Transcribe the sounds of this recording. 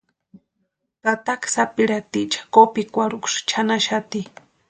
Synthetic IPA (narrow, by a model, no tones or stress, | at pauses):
t̪at̪aksapiɾat̪it͡ʃḁkopikʷaɾukʃt͡ʃʰanaʃat̪i